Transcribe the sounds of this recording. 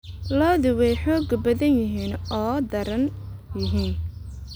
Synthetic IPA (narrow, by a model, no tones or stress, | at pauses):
lɔːðɪwɛjħɔːɡbɐðɐnjɪɦiːnɔːd̪ɐɾɐnjɪɦiːn